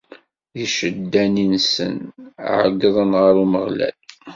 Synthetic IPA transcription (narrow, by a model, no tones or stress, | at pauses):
jiʃəd̪ːæninsə̰n̰ʕəɡðˤənʁəɾuməʁlæ̰l